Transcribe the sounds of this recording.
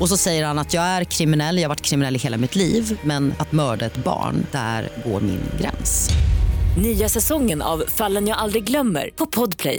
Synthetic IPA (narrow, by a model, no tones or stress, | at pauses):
ɔs̬ɔsɛjːəɾhanat̪jɑːɡæɾkʰɾɪmɪnɛlːjɑːhavaʈːkʰɾɪmɪnɛlːɪheːlamɪt̪liːvmɛnat̪mœːɖaɛt̪bɑ̰ːɳd̪̥æ̰ɾɡo̰ːɾmɪ̰nɡɾɛ̰ns | nyːasɛsɔŋːəna̰vfalːənjaːɡald̪ɾɪɡɡlœmːə̰ɾpʰɔpʰɔd̪pʰlɛ̰j